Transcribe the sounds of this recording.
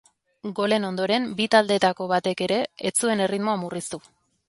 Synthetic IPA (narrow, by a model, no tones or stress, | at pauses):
ɡo̞le̞no̞nd̪o̞ɾe̞mbit̪ald̪e̞t̪ako̞βat̪e̞ke̞ɾe̞ːt͡sue̞ne̞rit̪mo̞amurist̪u